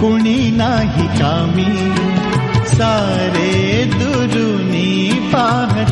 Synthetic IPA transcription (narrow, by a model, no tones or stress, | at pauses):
kʊɳinaːɦikaːmiː | saː | ɾeːd̪u | ɾu | niː | paːɦɐ